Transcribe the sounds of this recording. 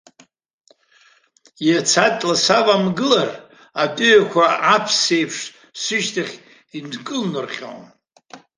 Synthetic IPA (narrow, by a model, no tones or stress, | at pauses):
jat͡sʰatʼlasavamɡɨlar | atʼʊjakʷʰaapʰse̞jpʰʂ | sɨʃtʰaχʲ | inkʼɨlnɨrχʲo̰n